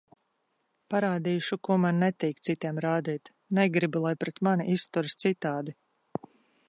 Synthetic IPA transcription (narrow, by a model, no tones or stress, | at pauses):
paɾaːd̪iːʃukuɔmanːɛt̪iːkt̪sit̪iɛmɾaːd̪iːt̪ | nɛɡɾibulˠajpɾɛt̪maniʔist̪uɾst̪sit̪aːd̪i